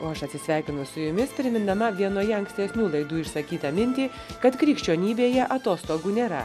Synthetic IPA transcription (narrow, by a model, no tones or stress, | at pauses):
oːɐʃɐt̪ʲsʲɪsʲʋʲæˑɪkʲɪnʊsʊjʊmʲɪspʲɾʲɪmʲɪnɐmɐʋʲiɛnoːjɛɐŋksʲt̪ʲɛsʲnʲuːlˠɐɪd̪uːɪʃsɐkʲiːt̪ɐmʲɪnʲt̪ʲiː | kɐt̪kɾʲiːkʃʲt͡ʃʲoːnʲiːbʲeːjɛʔɐt̪oːst̪oːɡuːnʲeːɾɐ̰